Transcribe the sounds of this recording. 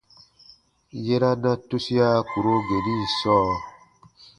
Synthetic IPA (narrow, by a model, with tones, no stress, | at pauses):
je˦ɾa˦nã˦tu˦si˦a˦ku˨ɾo˦ɡe˨ɾi˦˨sɔː˦